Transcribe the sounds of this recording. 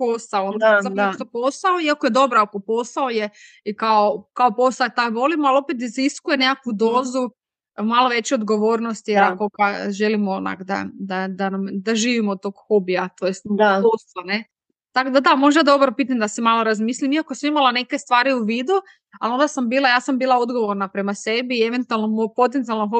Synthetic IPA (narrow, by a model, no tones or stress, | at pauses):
posaoont̪at̪oposaoiakoje̞d̪o̞bɾoakopo̞saoje | ikaokaopo̞sat̪ajʋo̞limoalopet̪̬iziskujeneakʋud̪o̞ːzu | maloʋe̞t͡ɕuod̪ɡo̞ʋoːɾnost̪ijeɾakokaʒelimoona̰kd̪a̰d̪ad̪anamd̪aʒiːʋimod̪̚t̪o̞ɡxobijat̪ojest̪d̪ad̪ost̪ane̞ | t̪akod̪ad̪amo̞ʒd̪ad̪o̞bɾopit̪amd̪asemalo̞ɾazmiːslimiakosmimalane̞ke̞st̪ʋaːɾiuʋid̪u | alo̞nd̪asambiːlajaːsambiːlˠaod̪ɡo̞ʋo̞ɾnapɾe̞mase̞biːeʋe̞nt̪ualˠnomopo̞t̪̬ent̪sialnoxo